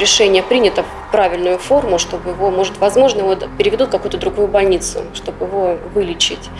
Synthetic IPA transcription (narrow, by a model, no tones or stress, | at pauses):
ɾʲɪʂɛnʲɪjəpɾʲinʲɪt̪ə | pɾavʲɪlʲnʊjʊfo̞rmʊʂt̪o̞bɨjɪvo̞mo̞ʐɨt̪vɐzmo̞ʐnəjɪvo̞pʲɪɾʲɪvʲɪd̪ut̪kɐkujʊt̪əd̪ɾʊɡujʊbɐlʲnʲit̪sʊ̰ʂt̪o̞bjɪvo̞vɨlʲɪt͡ɕɪ̰tʲ